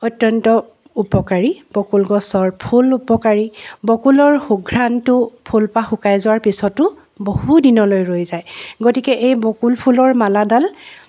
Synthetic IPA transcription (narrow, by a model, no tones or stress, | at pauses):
ɔtːɔntɔ | upɔkaɹib̥ɔkulɡɔsɔɹpʰulupɔkaɹibɔkulɔɹxuɡʱɹantʊpʰulpaxukajzʊwaɹpisɔtʊ | bohudinɔlojɹojzajɡotikɛʔejbɔkulpʰulɔɹmaladal